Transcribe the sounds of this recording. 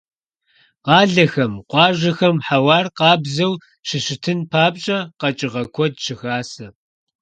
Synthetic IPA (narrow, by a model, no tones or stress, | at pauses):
qɑːɮɐxɐmqʷɑːʒɐxɐmħawɑːrqɑːbzɐw | ɕɪɕɪtʰɨnpʰaːbɕʼɐqɐt͡ʃʼɪʁɐkʷʰɔdɕɪxaːsɐ